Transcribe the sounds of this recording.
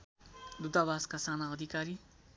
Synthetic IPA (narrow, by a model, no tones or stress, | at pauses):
d̪ud̪abaskasanaʌd̪ʱikaɾi